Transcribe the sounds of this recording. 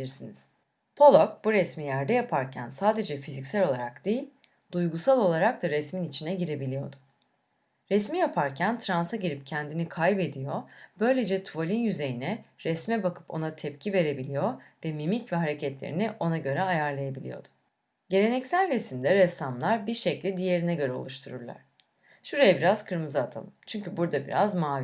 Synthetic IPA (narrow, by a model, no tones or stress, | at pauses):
ilʲiɾsiniz̥ | pʰo̞lˠok̚buɾɛsmijæɾd̪ɛjapʰaɾcʰænsaːd̪e̞d͡ʒɛfizicsælʲo̞lˠaɾakd̪̥ejilʲ | d̪̥ujɡusalˠo̞lˠaɾak̚d̪aɾɛsminit͡ʃʰinɛɟiɾe̞bilʲijo̞̰d̪ʊ̥ | ɾɛsmijapʰaɾcʰænt̪ʰɾansaɟiɾip̚cʰɛnd̪inikʰajbe̞d̪ijo̞b̥ø̞jlʲe̞d͡ʒɛt̪ʰuvolʲinjyze̞jinɛɾɛsmɛbakʰɯ̥po̞nat̪ʰɛpcʰive̞ɾe̞bilʲijo̞vɛmimicvɛɦaɾecʰɛt̪lʲeɾḭniʔo̞naɟø̞ɾɛajaɾlˠajabilʲḭjo̞̰d̪̥ʊ̥ | ɟe̞ɾe̞nɛcsælʲɾɛsimd̪ɛɾɛsamlˠaɾbiɾʃɛclʲid̪ije̞ɾinɛɟø̞ɾɛo̞̰lˠuʃt̪ʰuɾuɾlˠa̰ɾ̥ | ʃuɾajabiɾaz̥kʰɯɾmɯzaːt̪ʰa̰lˠɯmt͡ʃʰyɲcybuɾd̪abiɾa̰zmaːvi